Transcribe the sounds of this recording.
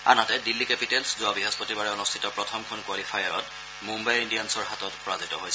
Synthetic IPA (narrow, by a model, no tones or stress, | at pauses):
a̰natɛdilːikepitɛlszʊabiɦɔspɔtibaɹɛɔnustʰitɔpɹɔtʰɔmkʰɔnkwalifʰajaɹɔt | mũmbajindijansɔɹɦatɔtpɹazitɔ̰ɦojsɛ